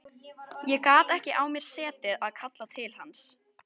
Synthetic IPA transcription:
jɛkaːt̪ɛhcɪʔawmjɛɾ̥sɛːt̪ɪðaðkʰat̪lat̪ʰɪlhans

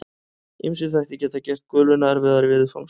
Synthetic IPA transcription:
ḭmsʏθajht̪ɪcɛːt̪acɛr̥t̪̚kœːlʏnaaɾvɪðaɾvɪːðɪfa̰wŋs

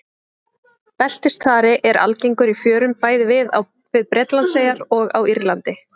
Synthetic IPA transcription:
pɛl̥t̪ɪst̪θaːɾɪʔɛɾʔa̰lcejŋkʏɾifjœːɾʏmpaːjðɪvɪðaw | vɪðpɾɛt̪lant̪seːjaɾɔɣawiɾlant̪ɪ

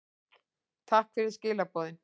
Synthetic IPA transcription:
t̪ʰahkfɪɾɪɾ̥scɪːlapɔːðɪn

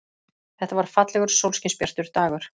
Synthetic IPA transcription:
θɛht̪avaɾ̥fat̪lɛɣʏɾ̥sowlscɪspjɛɾ̥t̪ʏɾ̥t̪aːɣʏɾ̥

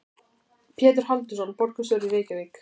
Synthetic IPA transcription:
pʰjɛːt̪̬ɪɾ̥halt̪ʏsɔnpɔɾkʏsœːɾiveːcavek

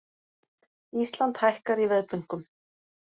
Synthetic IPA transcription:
ist̪lant̪hajhkaɾivɛðpʏŋ̥kʏm

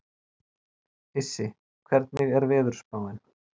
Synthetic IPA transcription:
ɪsːɪ | kʰvɛɾt̪nɪɣɛɾvɛːðʏɾ̥spaːwɪn

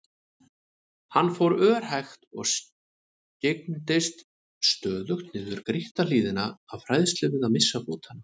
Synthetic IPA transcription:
hanːfowɾœːɾ̥hajxt̪ɔɣs | cek̚nt̪ɪst̪ | st̪œːðʏxt̪nɪːðʏɾkɾɪht̪aliːðɪnaafɾajðst̪lɪvɪðamɪsːafoːt̪hana

